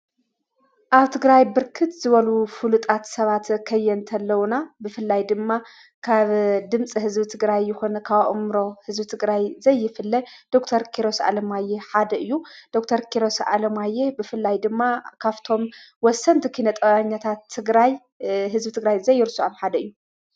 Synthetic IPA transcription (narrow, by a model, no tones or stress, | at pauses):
ʔaβt̪ʰɨɡɾajbɨɾkʰɨt̪z̥ɨβɐlufulut̪ʼat̪sɐβat̪kʰɐjːɛnt̪ʰɐlːɐwunabɨfɨlːajd̪ɨmːa | kʰaβd̪ɨmt͡sʼihɨzbit̪ʰɨɡɾajːɪxonɐkʰaβʔɨmɾo̞hɨzbɨt̪ʰɨɡɾajzɐjːɪfɨlːɐd̪̥o̞kt̪ʰɐɾkʰiɾo̞sa̰lɐmajːeħad̪ɐʔɨjːud̪̥o̞kt̪ʰɐɾkʰiɾo̞sʔa̰lɐmajːebɨfɨlːajd̪ɨmːakʰaβt̪ʰo̞mwɔsɐnt̪ʰikʰɨinɐt̪ʼɐwaɲːat̪ʰat̪ʰːɨɡɾaj | ɦɨzbɨt̪ʰɨɡɾajzɐjːɪɾɨsuaβħad̪ɐɨjːu